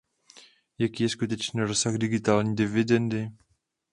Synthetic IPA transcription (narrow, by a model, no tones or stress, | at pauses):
jakiːjɛskut̪ɛt͡ʃniːɾosaɣdɪɡɪt̪aːlɲiːdɪvɪdɛndɪ